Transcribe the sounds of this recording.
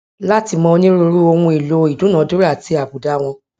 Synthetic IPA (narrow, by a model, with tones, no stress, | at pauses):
la˦ti˧mɔ̃˧˦nĩ˦ɾo˧˦ɾu˦o˧wũ˧i˨lo˨˦i˨dũ˨˦nã˨˦do˦ɾa˦˨ti˧˦a˨bu˨da˦w̃ɔ̃˧